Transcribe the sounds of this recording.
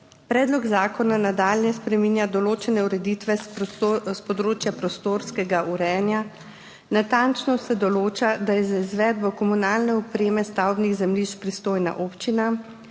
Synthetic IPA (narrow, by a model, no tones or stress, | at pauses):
pɾɛːd̪lɔɡzaːkɔnanad̪aːlnjɛspɾɛmiːnjad̪ɔloːt͡ʃɛnɛuɾɛd̪it̪ʋɛ | spɔd̪ɾoːt͡ʃjapɾɔst̪oːɾskɛɡaʔuɾɛːnja | nat̪ant͡ʃnɔsɛd̪ɔloːt͡ʃad̪ajɛzaizʋɛːd̪̚bɔkɔmunaːlnɛɔpɾeːmɛst̪awbniɣzɛmliʃpɾist̪oːjna̰ʔoːpt͡ʃina